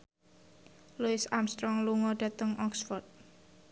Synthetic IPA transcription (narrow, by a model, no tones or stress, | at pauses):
luɪsamst̪ɾɔŋluŋɔɖ̥a̤t̪əŋʔɔksfɔrd̪̚